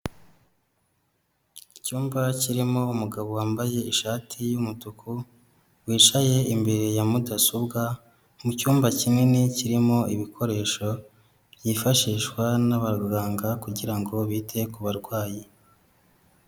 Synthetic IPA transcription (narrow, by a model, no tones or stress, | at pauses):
icuːmbaciɾimo̞umuɡaβowaːmbaje̞iʃaːtʰijumutuku | wiːt͡ʃaje̞imbe̞ɾejamudasobɡa | mucuːmbacimŋeneciɾimo̞iβikʰo̞ɾe̞ːʃo̞ | βjifaʃiːʃkwanaβaɾɡaːŋɡakuɟiɾaŋɡo̞βiːtʰe̞kuβaɾɡwaːji